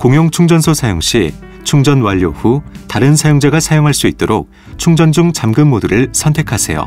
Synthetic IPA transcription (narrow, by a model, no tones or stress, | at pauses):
koŋjoŋt͡ɕʰuŋd͡ʑʌnsʰosʰajoŋɕ͈i | t͡ɕʰuŋd͡ʑʌnwaʎːoɸutaɾɯnsʰajoŋd͡ʑeɡasʰajoŋɦaɭs͈uit̚t͈oɾok̚ | t͡ɕʰuŋd͡ʑʌnd͡ʑuŋt͡ɕamɡɯnmoduɾɯɭsʰʌntʰe̞kʰasʰe̞̰jo̰